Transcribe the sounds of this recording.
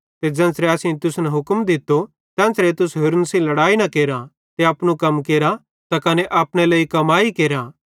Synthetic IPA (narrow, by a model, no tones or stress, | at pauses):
t̪ed͡ʒɐ̃ːnsɾeɐːsĩt̪ʊsnɛɦʊkmd̪ɪt̪ːo | t̪ɛ̃ːnsɾet̪ʊsɦʊɾnsĩlɐɽaːinɐkeːɾa | t̪eɐːpɽñũkɐmkeːɾa | t̪akɐneʔaːpɽ̃elɐːikɐmaːikeːɾa